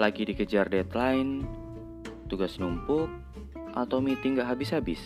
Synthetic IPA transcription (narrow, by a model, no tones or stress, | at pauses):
laɡidikəd͡ʒardɛt̪laɪn | t̪uɡasnumpʊk̚ | ʔat̪awmit̪iŋɡaɦabɪsɦabɪs